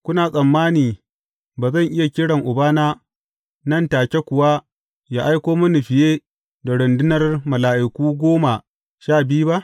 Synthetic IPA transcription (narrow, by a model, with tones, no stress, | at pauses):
kʷʊ˦naː˨sʼɐ˨mːaː˦niː˨ | baː˨zɐ˦˨ŋʔɪ˦ja˨kʲɪ˦ɽɐ˨ŋʔʊ˨baː˦naː˦ | nɐ˦˨ntaː˨kʲe˦kʷʊ˨wa˦ | jaː˦ʔa˦jkʷoː˦mɐ˦ni˨ɸɪ˨jeː˦ | da˨ɽʊ˨ndɪ˦nɐ˦rmɐ˨laː˨ʔɪ˨kʷuː˦ɡʷoː˦ma˨ | ʃaː˦˨bɪ˦ju˦ba˦ʔ